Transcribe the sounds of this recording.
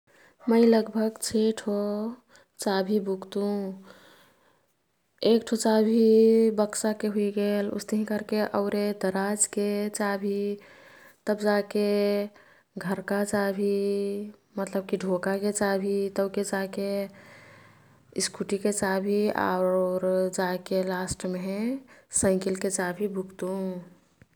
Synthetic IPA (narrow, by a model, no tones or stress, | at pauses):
məɪləɡbʱəɡt͡ʃʰeʈʰo | t͡ʃabʱibʱukt̪ũ | ekʈʰot͡ʃabʱibəksakeɦuiɡelṵst̪əɦĩkəɾkeʔəʊɾed̪əɾad͡ʒket͡ʃabʱi | t̪əbd͡ʒake | ɡʱəɾkat͡ʃaːbʱi | mət̪ləb̚kiɖʱoːkaket͡ʃaːbʱit̪əbked͡ʒaːke | ɪskʰuʈiket͡ʃaːbʱia̰ʊɾd͡ʒaːkelaːsʈmeɦɛ̃sə̃ɪ̃kilket͡ʃaːbʱibʱʊkt̪ũ